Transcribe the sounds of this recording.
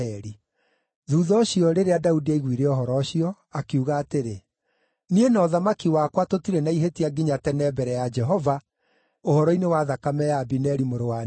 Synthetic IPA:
ɛɾi | ðuːðɔɕiɔɾeɾeadaudiaiɣwiɾeɔɦɔɾɔɕiɔ | akeuɣaːteɾe | nienɔðamakiwakwatotiɾɛnaiɦetiaɡiɲatɛnɛbɛɾɛjad͡ʒɛɦɔva | ohɔɾɔinewaðakamɛjabinɛɾimoɾowa

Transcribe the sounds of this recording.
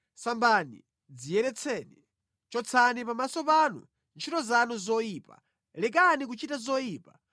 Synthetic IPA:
sambanḭ | d͡zijɛɾɛt͡sʰɛːni | t͡ʃɔt͡sʰanipamasɔpanṵ | nt͡ʃʰitɔzanuzɔjipa̰ | lɛk̬anik̬ut͡ʃitazɔjiːpa

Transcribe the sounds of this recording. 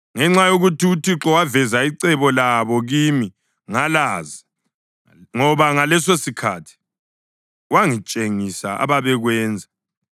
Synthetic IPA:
ŋɛŋ͡ǁajoɣutiutʰiǁɔwavɛzaiǀɛβɔlaβɔɣimi | ŋalaːzi | ŋɔβaŋalɛsesikʰatʰi̥ | waŋit͡ʃʼeŋisa̰a̰βaβɛɣwɛːnd͡zʱa

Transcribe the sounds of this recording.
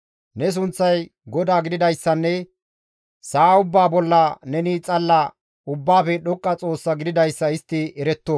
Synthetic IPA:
nɛs̬ʊnt͡sːɐj | ɡɔd̪aːɡɪd̪ɪd̪ɐjsːɐnːɛ | saːʊbːaːbɔlːɐnɛnit͡sʼɐlːɐ | ʊbːaːfɛɗɔkʼːɐt͡sʼo̞ːsːɐɡɪd̪ɪd̪ɐjsːɐɪst̪ːɪɛɾɛt̪ːo

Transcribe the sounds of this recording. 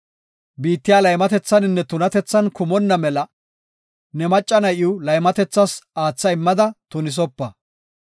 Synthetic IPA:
biːt̪ːɪjaːlɐjmɐt̪ɛt͡sːɐnɪnːɛt̪ʊnɐt̪ɛt͡sːɐnkʊmɔnːɐmɛlɐ | nɛmɐt͡ʃʼːɐnɐjɪwlɐjmɐt̪ɛt͡sːɐsaːt͡sːɐɪmːɐd̪ɐt̪ʊnɪs̬ɔpːɐ

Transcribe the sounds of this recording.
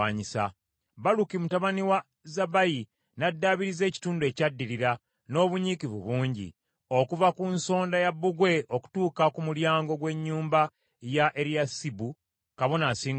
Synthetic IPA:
aɲisa̰ | βalukimutaβaniwa | zabaji | nadːaːβiɾize̞ːci̥tuːndue̞cadːiɾiɾa | no̞ːβuɲikivṵβuːɲɟḭ | o̞kuvakunso̞ːndajabːuɡwe̞ʔo̞ku̥tuːkakumuljaːŋɡo̞ɡwe̞ɲːuːmba | jaʔeɾjasibu | kaβo̞nasiːŋ

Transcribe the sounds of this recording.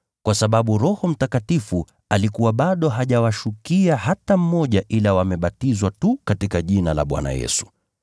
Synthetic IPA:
kwasaɓaɓuɾɔhɔm̩takatifu | alikuwaɓaɗɔɦaʄawaʃukiahatam̩mɔʄaʔilawamɛɓatizwatukatikaʄinala̰ɓwa̰na̰jɛ̰su̥

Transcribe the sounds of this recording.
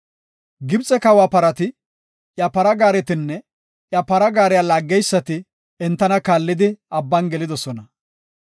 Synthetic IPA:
ɡɪbt͡sʼːɛkɐwaːpɐɾɐt̪ɪ | ʔjɐpɐɾɐɡaːɾɛt̪ɪnːɛ | ʔjɐpɐɾɐɡaːɾɛjalaːɡːɛjsːɐt̪ɪ | ɛnt̪ːɐnɐkaːlːɪd̪ɪɐbːɐnɡɛlɪd̪ɔsɔnɐ

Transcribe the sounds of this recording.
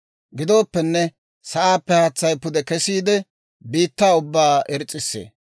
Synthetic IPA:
ɡɪd̪o̞ːpːɛnːɛ | sɐʔaːpːɛhɐt͡sːɐjpʊd̪ɛkɛsiːd̪ɛ | biːt̪ːaːʊbːaːɛɾt͡sʼːɪsːḛː

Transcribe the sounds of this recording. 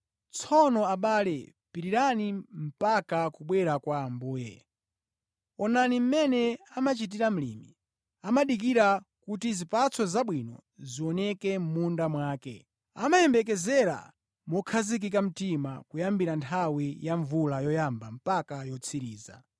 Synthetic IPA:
t͡sʰɔnɔaɓalɛ | piɾiɾanim̩pakakuɓwɛɾakwaːmbuːjɛ̰ | ɔnanim̩mɛnɛamat͡ʃit̬iɾam̩lḭmi | amaɗik̬iɾakutizipat͡sʰɔzaɓwinɔ̰ziwɔnɛkɛm̩mundamwaːkɛ̰ | a̰majɛmbɛk̬ɛzɛɾa̰ | mɔkʰazik̬ikam̩tima̰kujambiɾantʰawijaɱvulajɔjambam̩pakajɔt͡sʰiɾiːza̰

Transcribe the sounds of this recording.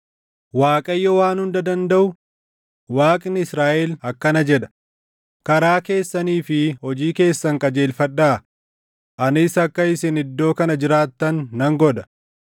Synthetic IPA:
waːkʼɐjːɔwaːnhʊnd̪ɐd̪ɐnd̪ɐʔʊ | waːkʼɪnɪɪsɾaːʔɛlɐkːɐnɐd͡ʒɛᶑɐ̥ | kɐɾaːke̞ːsːɐniːfɪhɔd͡ʒiːke̞ːsːɐŋkʼɐd͡ʒe̞ːlfɐᶑːaː | ʔɐnɪsɐkːɐɪsɪnɪd̪ːo̞ːkɐnɐd͡ʒɪɾaːt̪ːɐnːɐŋɡɔᶑ̪ɐ̥

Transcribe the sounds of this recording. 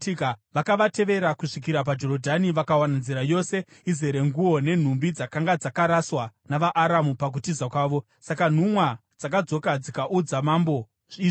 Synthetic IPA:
kʋakaʋate̞ʋe̞ɾakuʂik̬iɾap̬ad͡ʒo̞ɾodʱaniʋakawananziɾajo̞se̞ | ize̞ɾe̞ŋɡuwo̞ne̞n̤umbid͡zakaŋɡad͡zakaɾaswanaʋaʔːɾamupak̬utizakwaːʋo̞ | sakan̤umwa | d͡zakad͡zo̞kad͡zikaʔud͡zamambo̞ | ʐiʐ

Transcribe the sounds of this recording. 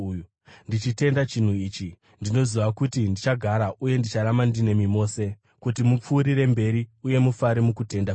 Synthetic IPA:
ndit͡ʃite̞ndat͡ʃin̤uiːt͡ʃi | ndino̞ziʋakutindit͡ʃaɡʱaɾaʔuje̞ndit͡ʃaɾamandine̞mimo̞ːse̞ | kutimup͡fuːɾiɾe̞mbe̞ɾiuje̞mufaɾimukute̞nda

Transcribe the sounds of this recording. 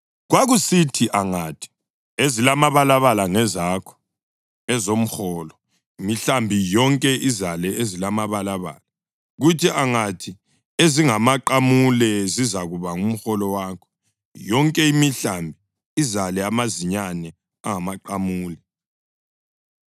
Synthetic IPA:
ɣwaɣusitʰiʔaŋatʰi̥ | ezilamaβalaβalaŋɛzakʰɔ̥ | ɛzom̩xɔːlɔ | imiɬambʱijɔŋkʼɛʔizalɛezilamaβalaβa̰ːla | ɣutʰiʔaŋatʰi | eziŋamaǃamulɛzizaɣuβaŋum̩xɔlɔwaːkʰɔ̥ | jɔŋkʼɛimiɬambʱi | izalɛamaziɲanɛ | aŋamaǃamuːlɛ

